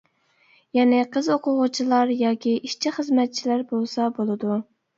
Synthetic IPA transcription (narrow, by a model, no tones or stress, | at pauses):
jɛnɪqʰəzoqʰʊʁʊt͡ʃʰilˠɑɾjɑːkʲiʔiʃt͡ʃʰiχəzmɛt̪̚t͡ʃʰilæɾbolˠsɑbolˠɨd̪u